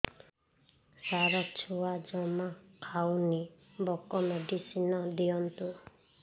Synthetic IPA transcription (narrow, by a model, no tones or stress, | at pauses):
saɾɔt͡ʃʰuwad͡ʒɔmakʰawni | bɔkɔmeɖisinɔd̪iɔnt̪u